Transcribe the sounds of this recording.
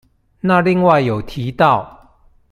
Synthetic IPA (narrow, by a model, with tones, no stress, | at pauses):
na˥˨li˥˧ŋwa˥˨ɪjo˨˩ʊt̪ʰi˨˦t̪ɑ˥˨ʊ